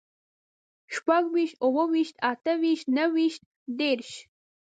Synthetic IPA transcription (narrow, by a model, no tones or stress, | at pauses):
ʃpʷaɡwiːʃt̪owɐwiʃt̪ʰaːtʰɐwiːʃtnɐwiʃt̪̚ | d̪erʃ